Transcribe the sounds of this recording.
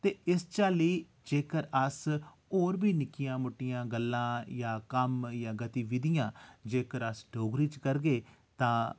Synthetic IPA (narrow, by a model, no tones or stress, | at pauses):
t̪eːɪst͡ʃaːliː | d͡ʒeːkəɾəs | oːɾbiːnɪkɪjãːmʊʈːɪjãːɡəlːãːjãːkəmjãːɡət̪iːʋɪd̪ɪjãːd͡ʒeːkəɾəsɖoːɡɾiːt͡ʃkəɾɡeː | t̪ãː